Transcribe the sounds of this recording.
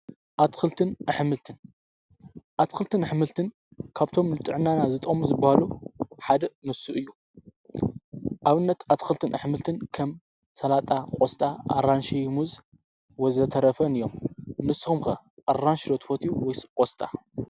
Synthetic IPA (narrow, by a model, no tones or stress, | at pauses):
ʔat̪kɨlt̪ʰɨnʔɨħmɨlt̪ʰɨn | ʔat̪kɨlt̪ʰɨnɨħmɨlt̪ʰɨn | kʰaβt̪ʰomnɨt̪ʼɨʕɨnanazɨt̪ʼɐmuzɨbːahaluħad̪ɐnɨsuʔɨjːu | ʔaβɨnːɐt̪at̪xɨlt̪ʰɨnʔɐħmɨlt̪ʰɨnkʰɐm | sɐlat̪ʼakʼost̪ʼaa̰ɾanʃijmuz | wɔzɐt̪ʰɐɾɐfɐnɨjomnɨsxomkɐ | ʔaranʃlot̪fot̪ʰiuwɔjskʼost̪ʼa̰